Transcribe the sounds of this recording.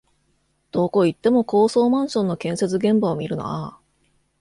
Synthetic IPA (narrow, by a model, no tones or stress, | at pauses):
d̪̥o̞ːko̞it̪ːe̞mo̞ko̞ːso̞ːmãɰ̃ɕõnːo̞kẽ̞ɰ̃se̞t͡sɨɡẽ̞mbaomʲiɾɯ̟no̰a̰